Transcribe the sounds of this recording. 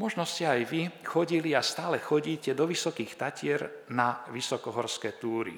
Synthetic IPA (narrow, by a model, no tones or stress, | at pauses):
mɔʒnɔscɛajʋixɔɟiliast̪aːlɛxɔɟiːcɛd̪ɔʋisɔkiːxt̪acɪɛɾnaʋisɔkɔɦɔɾskɛːt̪uːɾḭ